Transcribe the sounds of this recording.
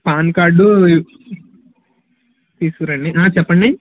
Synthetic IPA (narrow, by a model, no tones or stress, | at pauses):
paːnkaːɖu | t̪iːskuɾɐɳɖiʔaːt͡ʃɛpːɐɳɖi